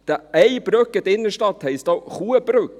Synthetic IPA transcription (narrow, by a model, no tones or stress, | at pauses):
d̪̥ææɪbɾøːkət̪ɪnəʃʈɑt̪hæɪst̪ɑʋhuːəbɾʉːk